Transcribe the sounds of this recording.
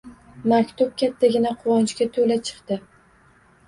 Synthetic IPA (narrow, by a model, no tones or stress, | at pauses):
makʲt̪ʰʊp̚kʲʰat̪ʰːaɡʲɪnaqʰʊwɒnt͡ʃkʲat̪ʰolat͡ʃʰɨ̥qt̪ɪ